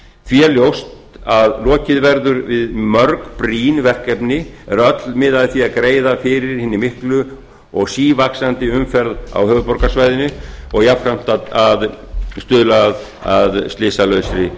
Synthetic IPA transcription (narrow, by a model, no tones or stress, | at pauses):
fjɛljowst̪ | aðlɔːcɪðvɛɾðʏɾvɪðmœɾkpɾiːnvɛr̥kɛpnɪɛ̰ɾœt̪lmɪðaðɪθiaðkɾeːjðafɪɾɪɾ̥hɪːnːɪmɪhklʏ | ɔɣsiːvaksant̪ɪʏmfɛɾða̰whœːvʏpɔɾkasvajðɪnʏɔɣjafɾam̥t̪aað | st̪ʏðlað | aðst̪lɪːsalœɥsɾɪ